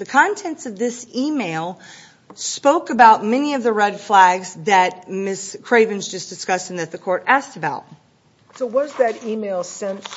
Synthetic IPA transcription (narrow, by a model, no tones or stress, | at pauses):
ðɨkʰɑ̃ntʰɛ̃ntsʌvðɪsimeɪlˠ | spoʊkɨbaʊt̚mɛniʌvðɨɹɛd̥flæɡzðɨt̚mɪskʰɹ̥eɪvɨ̃nzd͡ʒʌsd̥ɨskʌstn̩ðɨt̪̚ðɨkʰɔɹɾæstɨbaʊt̚ | soʊwʌzðɨɾimeɪlˠsɛ̃ns